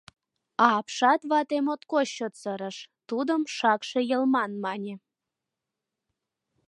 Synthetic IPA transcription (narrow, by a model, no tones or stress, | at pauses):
ɑːpʃɑt̪βɑt̪emot̪koɕːot̪səɾəʃt̪ud̪əmʃɑkʃejəlmɑnmɑnʲe